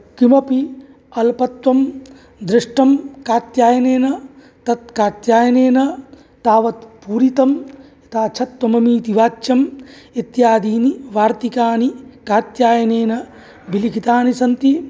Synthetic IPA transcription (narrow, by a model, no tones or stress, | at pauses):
kimɐpi | ɐlpɐt̪ʋɐm | d̪ɾɪʂʈɐmkaːt̪jaːjɐneːnɐ | t̪ɐt̪kaːt̪jaːjɐneːnɐ | t̪aːʋɐt̪puːɾit̪ɐm | it̪aːt͡ʃʰɐt̪ːwɐmɐmiːt̪iʋaːt͡ʃːjɐmit̪jaːd̪iːniʋaːɾt̪ikaːnikaːt̪jaːjɐneːnɐ | bilikʰit̪aːnisɐnt̪i